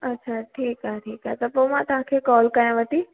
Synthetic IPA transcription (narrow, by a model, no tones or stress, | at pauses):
ətːʃʰaʈʰiːkaʈʰiːkat̪ɔpomãt̪ãkʰekɔlkãjãʋət̪i